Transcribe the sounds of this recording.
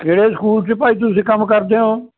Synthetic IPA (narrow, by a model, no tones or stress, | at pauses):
keːɽeːskuːlt͡ʃɪpaːiːt̪̬ʊsĩːkəmkəɾd̪eːɦõː